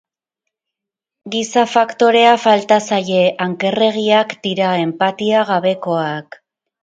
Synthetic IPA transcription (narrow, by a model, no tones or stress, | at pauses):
ɡisafakt̪o̞ɾe̞afalt̪asaje̞ʔaŋke̞re̞ɣiakd̪iɾae̞mpat̪iaɣ̞aβe̞ko̞ak